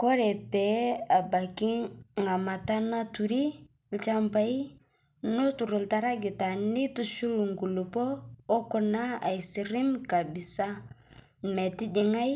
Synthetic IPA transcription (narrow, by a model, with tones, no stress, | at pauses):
ko˦ɾɛ˨pɛ˨a˨ba˨ki˦ŋa˨ma˨ta˦na˦tu˨ɾi˦ | lt͡ʃa˦mpa˦i˦ | no˦tu˨ɾu˨lta˨˦ɾa˦ɡi˨ta˨ni˦tu˨ʃu˦lu˨ŋɡu˨lu˨poː˦ku˦na˦a˨i˨si˨ɾi˦mka˨bi˨sa˦ | mɛ˨ti˦d͡ʒi˨ŋa˦j